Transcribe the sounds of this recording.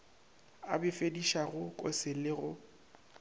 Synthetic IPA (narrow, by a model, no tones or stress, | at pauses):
a̰bɪfediʃaɣʊkʼo̰sɪlɪɣʊ